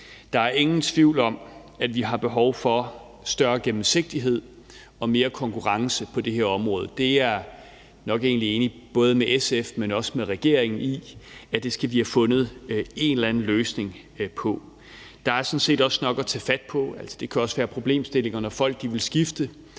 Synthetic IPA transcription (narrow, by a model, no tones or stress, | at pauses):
d̥ɑ̈æɐe̝ŋn̩t͡sʰʋiʊ̰lɒ̽m | ædʋiɦɑ̈b̥e̝ɦɒʊfɒ̽ | sd̥ɶɐɡ̥emm̩se̝ɡ̥̚d̥iɦe̝ð̞̰ˠ | ɒ̽me̝ːɐkʰɒ̽ŋkʰuʁɑ̈ŋsəpʰɒ̽d̥e̝ɦeɐɒ̽mʁɔ̽ːð̞ˠəd̥e̝æɐ | nɒ̽ɡ̥e̝̰ːnlie̝ːnib̥ɔ̽ːð̞ˠəmeʔesefmenɒ̽səmeʁɛɡ̥e̝ɐ̰eŋn̩iæd̥e̝sɡ̥æʋihæfɔ̽nð̞̩ˠe̝nlænn̩løːsne̝ŋ | pʰɒ̽ | d̥ɑ̈æɐsɔ̽nse̝̰ːdɒ̽snɒ̽ɡ̥ɒ̽t͡sʰɛːfæd̥̚pʰɒ̽æl̰sɒ̥d̥e̝kʰæɒ̽sʋæːɐpʰʁo̝b̥le̝̰ːmsd̥e̝le̝ŋɐnɒfɒ̽l̰ɡ̥̚d̥iʋe̝lsɡ̥ifd̥ə